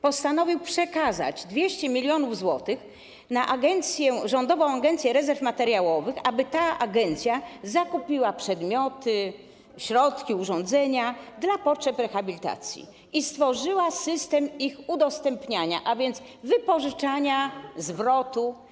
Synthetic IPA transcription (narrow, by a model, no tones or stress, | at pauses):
pɔst̪anɔvʲiwpʂɛkaza̰d͡ʑd̪vʲjɛɕt͡ɕɛmʲilʲjɔnuvzwɔt̪ɘx | naʔaɡɛnt̪sʲjɛʐɔnd̪ɔvɔ̃w̃aɡɛnt̪sʲjɛɾɛzɛɾfmat̪ɛɾjawɔvɘxabɘt̪aaɡɛnt̪sʲjazakupʲiwapʂɛd̪mʲjɔt̪ɘ | ɕɾɔt̪kʲiuʐɔnd̪zɛɲad̪lapɔtʂɛpɾɛxabʲilʲit̪a̰t̪sʲjḭ | ist̪fɔʐɘwasɘst̪ɛmixud̪ɔst̪ɛmpɲaɲa̰ʔavʲjɛnd̪s | vɘpɔʐɘt͡ʂaɲazvɾɔt̪u